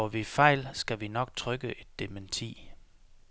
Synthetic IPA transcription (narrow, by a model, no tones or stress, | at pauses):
ɒʋifɑ̈ɪlsɡ̥æʋinɒ̽ɡ̥̚t͡sʰʁœɡ̥əʔe̝d̥ːement͡sʰḭː